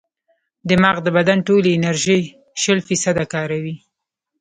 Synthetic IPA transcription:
d̪əmɑɣd̪əbad̪anʈoleɪnaɾʒej | ʃəlfisad̪akɑɾawi

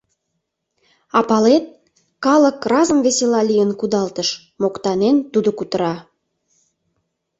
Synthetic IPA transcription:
ɑpɑlet̪̚ | kɑləkrɑzəmveselɑlijənkud̪ɑlt̪əʃ | mokt̪ɑnent̪ud̪okut̪əɾɑ

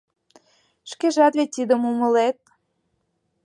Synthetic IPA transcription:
ʃkeʒɑt̪βet̪ʲid̪əmumə̆let̪̚

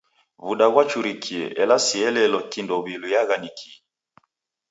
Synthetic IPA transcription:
βuɗaɣwat͡ʃuɾikʰiɛ̰ʔɛlasiɛlɛlɔkindɔβilujaɣanikʰiɛ

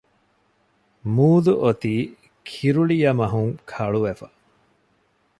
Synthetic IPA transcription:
muːd̪uʔot̪iː | kʰiɾuɭijɐmɐɦuŋkʰɐɭuʋefɐ

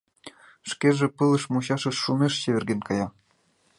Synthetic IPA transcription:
ʃkeʒĕpɯlɤ̆ʃmuɕɑʃɤ̆ʃːumeʃt͡ɕeβɘ̆rɡenkɑjɑ

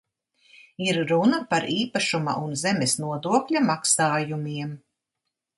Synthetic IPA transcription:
iɾːunɐpaɾiːpaʃuma̰ʔunzɛmʲesnuɔd̪uɔklʲamaksaːjumiɛm

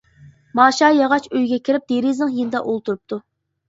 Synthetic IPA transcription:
mɑːʃɑjɑʁɑt͡ʃøjɡʲɛkʲʰiɾɪp̚d̪̥eɾiznɪŋjind̪ɑʔolˠt̪uɾup̚t̪ʰu

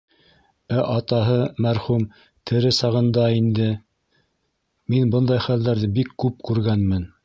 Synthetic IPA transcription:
æʔɑt̪ɑɦɤmæɾχum | t̪ʰɘ̆ɾɘsɑʁɤ̆nd̪ɑind̪ɘ | minbɤnd̪ɑjχæld̪æɾðɘbikːʉpkʉɾɡænmɘn

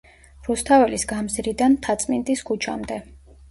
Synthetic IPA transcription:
ɾust̪ʰavɛlisɡamzɾid̪ant̪ʰat̪sʼmint̪ʼiskʰut͡ʃʰa̰md̪ɛ

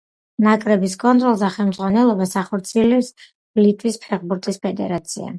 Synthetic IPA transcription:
nakʼɾɛbiskʼɔnt̪ʼɾɔlˠzaχɛlˠmd̪zʁwanɛlˠɔbasaχɔɾt̪sʰiɛlɛps | lit̪ʼwispʰɛʁbuɾt̪ʼispʰɛd̪ɛ̰ɾat̪sʰḭa̰

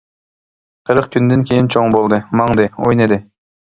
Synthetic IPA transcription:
qʰɨɾɯq̚kʰʲynd̪eŋkʲʰejint͡ʃʰoɴbolˠd̪ɨmɑɴd̪ɨojned̪ɪ

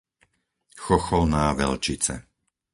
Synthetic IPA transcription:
xɔxɔlnaːʋɛ̰lt͡ʃit͡sɛ̰

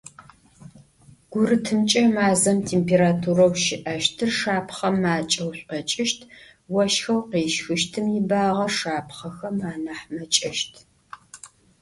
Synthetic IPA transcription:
ɡ̥ʷʊɾɨtʰɨmt͡ʃʼɐmaːzɐmtʰeːmpʰeːɾaːtʰuɾɐwʃɪʔɐʃtʰɨrʂaːpʰχɐmːaːt͡ʃʼɐwɕʷʼɐt͡ʃʼɪʃtʰ | wɐʃxɐwqeːʃxɨʃtʰɨmjɪbaːʁɐʂaːpχɐxɐmaːnɐħmɐt͡ʃʼɐʃtʰ

